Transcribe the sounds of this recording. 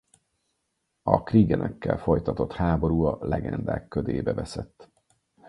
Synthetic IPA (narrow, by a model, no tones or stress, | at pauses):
ɒkriːɡɛnʔɛkːɛlfo̞jt̪ɒt̪o̞t̪haːbo̞ɾuːɒlɛɡɛnd̪aːkːød̪eːbɛvɛsɛt̪ː